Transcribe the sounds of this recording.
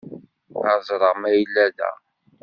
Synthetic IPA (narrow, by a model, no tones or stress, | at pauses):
ɑzˤɾˤəʁmæjəlːæðæ̰